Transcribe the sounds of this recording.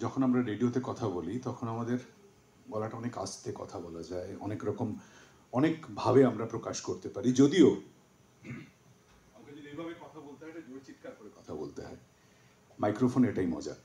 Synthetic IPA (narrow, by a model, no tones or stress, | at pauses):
d͡ʑɔkʰonamɾaɾeɖiot̪ekɔt̪ʰabolit̪ɔkʰonamad̪eɾ | bɔlaʈaɔneka̰st̪ekɔ̰t̪ʰabɔlad͡ʑaeɔ̰nekɾɔkom | ɔnekbʱabeamɾapɾokaʃkoɾt̪epaɾid͡ʑod̪io | amked͡ʑod̪ejbʱabekɔt̪ʰabolt̪eɦɔeʈad͡ʑoɾt͡ɕit̪̚kaɾkoɾekɔt̪ʰabo̰lt̪eɦɔ̰e | majkɾofʰoneʈaimɔ̰d͡ʑa̰